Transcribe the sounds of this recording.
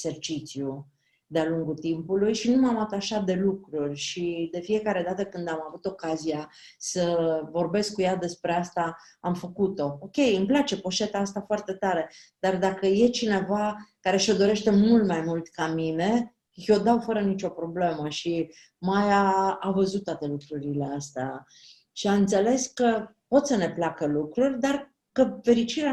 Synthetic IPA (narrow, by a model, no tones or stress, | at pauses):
ese̞rt͡ʃit̪siju | d̪ealuŋɡut̪impulujʃinumamat̪aʃat̪̚d̪e̞lukɾurʲʃid̪e̞fie̞kaɾe̞d̪at̪əkɨnd̪amavut̪o̞kazija | səvo̞rbe̞sk̚kujad̪e̞spɾe̞ast̪a | amfəkut̪o̞okʲe̞jɨmplat͡ʃe̞poʃet̪aast̪afoart̪e̞t̪aɾe̞ | d̪̥ard̪akəje̞t͡ʃine̞vakaɾe̞ʃo̞d̪o̞ɾe̞ʃt̪e̞mult̪majmult̪kamine̞ | jo̞d̪awfəɾənit͡ʃo̞pɾo̞ble̞məʃi | majaːvəzut̪ːwat̪e̞lukɾuɾile̞ast̪a̰ | ʃiamɨnt̪se̞le̞skə | pot̪səne̞plakəlukɾurʲd̪ar | kəfe̞ɾit͡ʃiɾea